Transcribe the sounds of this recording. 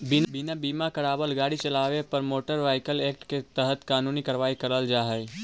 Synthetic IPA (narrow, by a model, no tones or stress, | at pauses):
bɪnbɪnabiːmakɐɾaːbəlɡaːɽit͡ʃɐlaːʋepɐɾmoːʈəɾʋaːɪkəleːk̚ʈket̪əɦət̪kaːnuːnikɐɾʋaːikɐɾəld͡ʒaːɦɛe